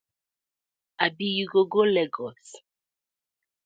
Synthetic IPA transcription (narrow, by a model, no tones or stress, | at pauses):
abijuɡoɡolɛɡɔs